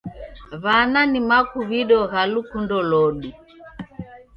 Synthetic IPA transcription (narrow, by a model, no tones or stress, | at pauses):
βananimakuβiɗɔɣalukundɔlɔɗi